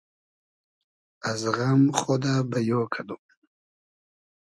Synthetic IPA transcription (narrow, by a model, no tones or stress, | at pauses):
azɣamχod̪abajokʰad̪u